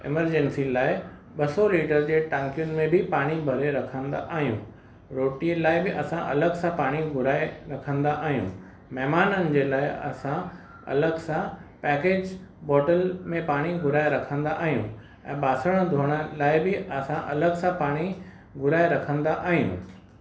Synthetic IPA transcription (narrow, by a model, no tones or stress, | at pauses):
ɪ̰məɾd͡ʑẽnsilaːɪ | ɓɐsɔliːʈəɾd͡ʑeːʈãːŋkijʊnmẽbʱɪpaːɽ̃ibʱɐɾeɾɐkʰə̃nd̪a̰ʔaːɦijṵ̃ | ɾoːʈilaːɪbɪʔɐsãʔɐ̰ləɡsãpaːɽ̃iɡʱʊɾaːeɾɐkʰə̃nd̪aʔaːɦijṵ̃ː | mɛɦmaːnənɪ̆d͡ʑeːlaːɪɐ̰sã | ɐ̰ləɡsãpɛːkeːd͡ʑbɔːʈəlmẽpaːɽ̃iɡʱʊɾaːɪɾɐkʰə̃nd̪aʔaːɦijṵ̃ | ɛ̃ːɓaːsəɽ̃d̪ʱoːɽ̃əlaːɪbɪɐsãʔɐ̰ləɡsãpaːɽ̃i | ɡʱʊɾaːɪɾɐkʰə̃nd̪aʔaːɦijṵ̃ː